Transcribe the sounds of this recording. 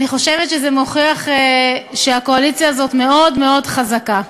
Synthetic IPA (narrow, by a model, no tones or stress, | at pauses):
niχo̞ʃe̞vet̪ʃezemoχiaχeʃeako̞alit͡sjaːzo̞tme̞o̞dme̞o̞dχazaka